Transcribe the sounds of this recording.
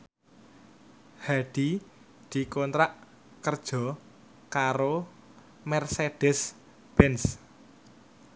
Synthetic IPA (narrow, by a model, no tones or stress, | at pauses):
haɖ̥i | d̪̥i̤kɔnt̪ɾaʔ | kərd̥ʒ̥ɔ̤ | kaɾo | mɛrseɖ̥ɛs | b̥ɛns